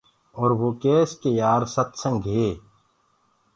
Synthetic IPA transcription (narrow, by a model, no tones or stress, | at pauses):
ɔːɾʋoːkeːskejaːɾsɐt̪sə̃ŋɡʱɦeː